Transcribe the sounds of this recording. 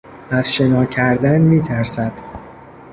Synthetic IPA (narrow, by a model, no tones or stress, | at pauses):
æz̥ʃe̞nɒːcʰæɾd̪ænmiːt̪ʰæɾsæd̪̥